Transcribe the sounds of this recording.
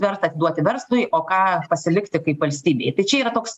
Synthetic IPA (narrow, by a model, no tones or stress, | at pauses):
ʋʲɛɾt̪ɐt̪ʲɪd̪uɔt̪ʲɪʋʲɛɾslˠʊjɪoːkɑːpɐsʲɪlʲɪkt̪ʲɪkɐɪpʋɐlʲsʲt̪ʲiːbʲḛːjt̪ɐɪt͡ʃʲɛiːɾɐt̪oːks